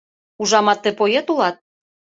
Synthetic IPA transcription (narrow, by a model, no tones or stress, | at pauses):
uʒɑmɑt̪ːĕpojet̪ulɑt̪̚